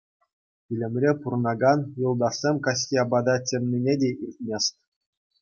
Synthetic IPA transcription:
ilʲɘ̆mʲrʲepurnɑɡɑnjulˠd̪ɑrsʲemʲkɑs̬ʲtʲiɑbɑd̪ɑtʲemnʲinʲedʲeʔirʲt̪̚ʲmʲesʲt̪ʲ

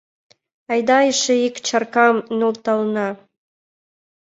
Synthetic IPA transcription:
ɑjd̪ɑjəʃeikt͡ɕʰɑrkɑmnult̪ɑlnɑ

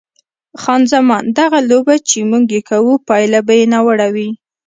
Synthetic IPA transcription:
xɑnzamɑnd̪aɣalobat͡ʃemuɡjekʰawupɑjlabajenawaɽawi

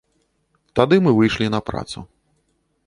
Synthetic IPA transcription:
t̪ad̪ɨmɨvɨjʂlʲinɐpɾa̰t̪sṵ

